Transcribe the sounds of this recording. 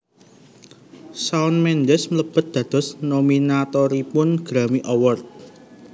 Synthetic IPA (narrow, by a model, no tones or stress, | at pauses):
saʊnmɛnd̪ɛsmələb̥ə̤t̪̚d̪̥ä̤d̪̥ɔ̤snominat̪ɔɾipʊnɡ̥ɾamiʔɔwɔrt̪̚